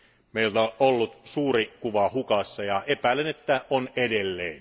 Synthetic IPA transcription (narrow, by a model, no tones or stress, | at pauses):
meilt̪oʔolːut̪suːrikuʋɑhukɑsːɑjɑepæˑilenet̪ːæʔonedelːḛːn